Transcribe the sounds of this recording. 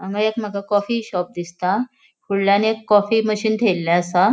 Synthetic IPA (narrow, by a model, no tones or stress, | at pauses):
aŋɡajekm̤əɡakɔfiɕɔp̚d̪ist̪a | kʰuɽlanekːɔfiməɕiːnt̪ʰelːaəsa